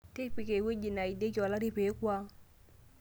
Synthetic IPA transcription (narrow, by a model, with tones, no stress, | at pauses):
te˦pi˨ke˨we˦d͡ʒi˨na˨i˨de˦kɔ˨la˦ɾi˦pe˨˦kwa˦